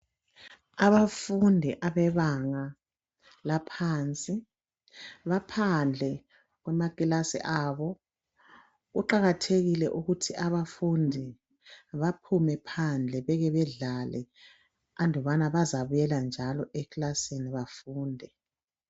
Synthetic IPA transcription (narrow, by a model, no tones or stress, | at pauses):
aβafundʱiʔaβɛβaŋa | lapʰaːnt͡sʼi | βapʰand͡ɮʱɛ | ɣwɛmakʼilasḭʔaβɔ | ɣuǃaɣatʰeɣilɛʔuɣutʰiʔaβafundʱi | βapʰumɛpʰand͡ɮʱɛβɛɣɛβɛɮalɛ | andʱɔβanaβazaβujɛland͡ʒʱalɔʔɛklaseniβafuːndʱɛ